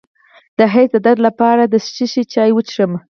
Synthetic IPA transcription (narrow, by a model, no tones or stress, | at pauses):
d̪̥əɦejt̪əd̪aɾlapɑɾad̪əst͡ʃiʃit͡ʃɑjwət͡ʃɾəm